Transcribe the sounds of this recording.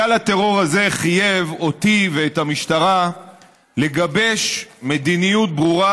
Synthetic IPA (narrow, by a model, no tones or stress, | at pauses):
alat̪e̞ʁo̞ʁaze̞χije̞vo̞t̪iveːt̪hamiʃt̪aʁa | le̞ɡabe̞ʃme̞d̪inijut̪̚bʁuʁa